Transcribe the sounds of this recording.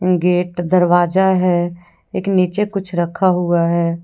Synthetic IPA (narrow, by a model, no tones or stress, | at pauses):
ɡeːʈd̪əɾʋaːd͡ʒaɦɛ | eːkniːt͡ʃekʊt͡ʃʰɾəkʰaɦuaɦɛː